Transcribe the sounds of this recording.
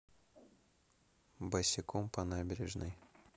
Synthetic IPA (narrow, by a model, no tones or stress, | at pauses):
bɐsʲɪkompɐnabʲɪɾʲɪʐnɨ̰j